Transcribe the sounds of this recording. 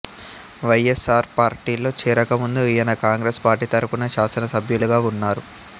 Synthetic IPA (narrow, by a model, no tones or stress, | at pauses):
ʋɐjesaːɾpaːɾʈiːlːo̞ːt͡ʃiːɾɐkɐmund̪uijɐnɐkaːŋɡɾespaːɾʈiːt̪ɐɾupunɐʃaːsɐnɐsɐbʱjuluɡaːunːaːɾu